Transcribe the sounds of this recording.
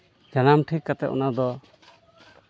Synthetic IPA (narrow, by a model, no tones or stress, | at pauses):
d͡ʒanamʈʰikːat̪ɛʔʔɔ̰nad̪ɔ